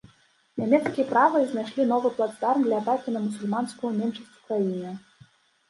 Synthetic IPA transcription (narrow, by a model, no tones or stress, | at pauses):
nʲamʲɛt̪skʲijɐpɾavɐiznajʂlʲin̪ɔvɨplˠat̪st̪armd̪lʲɐat̪akʲinɐmusulʲmanskujunʲɛmʂɐsʲt̪ʲvu̥kɾajinɨ